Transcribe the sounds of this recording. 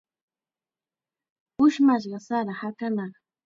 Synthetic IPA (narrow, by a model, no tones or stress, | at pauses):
ʊʃmaʃɢɑsaɾahakanɑχ